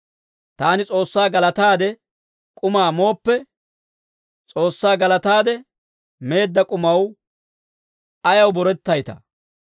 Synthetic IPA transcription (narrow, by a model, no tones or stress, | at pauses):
t̪aːnɪt͡sʼo̞ːsːaːɡɐlɐt̪aːd̪ɛ | kʼʊmaːmo̞ːpːɛ | t͡sʼo̞ːsːaːɡɐlɐt̪aːd̪ɛ | me̞ːd̪ːɐkʼʊmɐw | ɐjɐwbɔɾɛt̪ːɐjt̪ɐ